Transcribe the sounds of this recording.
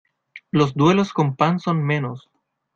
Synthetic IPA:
los̬d̪welosko̞mpansonmẽnos

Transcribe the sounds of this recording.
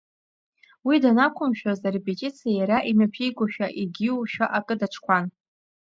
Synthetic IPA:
widanakʷʰʊmʃᶣazarepʼet͡ʃʼit͡sʰijajaɾaʔinɨpʰijɡʷaʃᶣaʔiɡʲiwʃᶣaʔakʼɨdaʈ͡ʂʰkʷʰan

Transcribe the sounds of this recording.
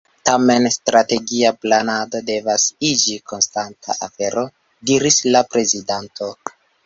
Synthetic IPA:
tame̞nstɾate̞ɡiaplanado̞de̞vasid͡ʒikʰo̞nstantʰa̰ʔafe̞ɾo̞ | diɾislapɾe̞zidantʰo̞

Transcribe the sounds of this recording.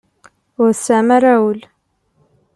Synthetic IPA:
ʊɾsamaɾawəl

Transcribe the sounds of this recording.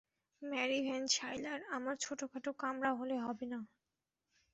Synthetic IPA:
mɛɾibʱɛnt͡ɕʰajlaɾamaɾt͡ɕʰoʈokʰaʈokamɾaɦoleɦɔbena

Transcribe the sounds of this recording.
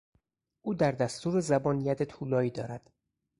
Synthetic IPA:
ʔuːd̪æɾd̪æst̪uːɾezæbɒːnjæd̪et̪ʰuːlɒːiːd̪ɒːɾæd̪̥

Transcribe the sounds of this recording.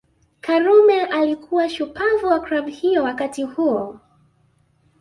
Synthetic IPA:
kaɾumɛʔalikʰuwaʃupavuwakɾabhijɔwakatihuɔ

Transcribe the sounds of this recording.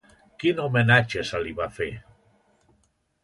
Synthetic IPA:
kinumenat͡ʃəsəliβafe

